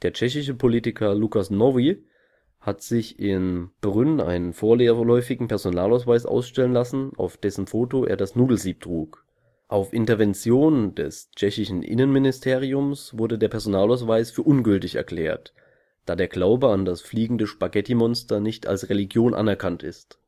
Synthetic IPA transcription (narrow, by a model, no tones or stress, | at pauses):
d̥eːɐt͡ʃɛçɪʃ̬əpʰoliːtɪkʰɐlukasnɔvi | hatz̥ɪçɪnb̥ʁʏnʔa̰ɪnənfoːɐllɔʏfɪɡŋ̩pɛɐzonaːlaʊsvaɪsʔa̰ʊsʃtɛlənlasn̩a̰ʊfd̥ɛsn̩foːtoʔḛːɐdasnuːdl̩ziːp̚tʁ̥uːk | ʔaʊfʔɪntɐvɛnt͡sjoːnd̥ɛ̰st͡ʃɛçɪʃn̩ʔɪ̰nənmɪnɪstʰeːʁiʊmsv̥ʊɐdədeːɐpʰɛɐzonaːlaʊsv̥aɪsfyːɐʔʊnɡʏltɪçɛ̰ɐkl̥ɛ̰ːɐt | d̥aːdeːɐɡlaʊbəandasfliːɡŋ̩dəʃpaɡɛtʰimɔnstɐnɪçta̰lsʁeliɡjoːnʔa̰nɛɐkʰantɪ̰st